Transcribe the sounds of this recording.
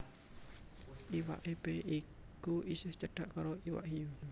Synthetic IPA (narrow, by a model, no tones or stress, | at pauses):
ʔiwa̰ʔipeʔi | kuʔisɪht͡ʃəɖ̥aʔkaɾoiwa̰ʔɦi